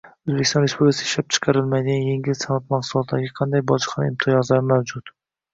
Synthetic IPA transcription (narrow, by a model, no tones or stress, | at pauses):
ɵzbekʲɪ̥st̪ɒnɾe̞spublɪkʰasɪ̥ɪʃlap̚t͡ʃʰɨ̥qʰɑɾɪlˠmajd̪ɪɡʲanjeŋɡʲɪlsanat̪̚maqsulˠɒt̪d̪aɡʲaqʰɑnd̪ajbɒʃqʰɑnɪ̰mt̪ʰɪazlaɾɪmawd͡ʒʊt̪